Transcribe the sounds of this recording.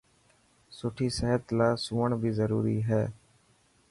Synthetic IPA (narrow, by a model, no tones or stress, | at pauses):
sʊʈʰiːsɛɦət̪laːsuːəɳbʱiːzəɾṵːɾḭːɦɛː